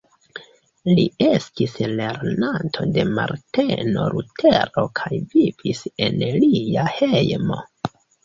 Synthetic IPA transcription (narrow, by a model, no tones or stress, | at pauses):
liestisle̞ɾnantʰo̞de̞maɾteno̞̰ɾutʰeɾo̞kʰajvivise̞nliahejmo̞